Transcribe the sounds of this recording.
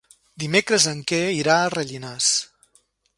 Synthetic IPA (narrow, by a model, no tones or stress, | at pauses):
d̪imekɾəzəŋkɛiɾaərəʎinas